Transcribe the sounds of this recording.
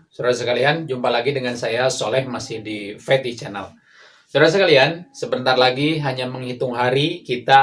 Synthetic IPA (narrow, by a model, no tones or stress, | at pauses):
suɾasəkaliand͡ʒumpalaɡidəŋansajasolɛhmasɪhdifɛt̪it͡ʃana̰l | suɾas̬əkaliansəbənt̪arlaɡiɦaɲaməŋhit̪ʊŋɦaɾikit̪a